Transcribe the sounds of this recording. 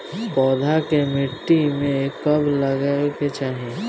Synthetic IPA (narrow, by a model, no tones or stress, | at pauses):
pɔːd̪ʱakemɪʈːimẽekːɐbləɡaket͡ʃaːɦie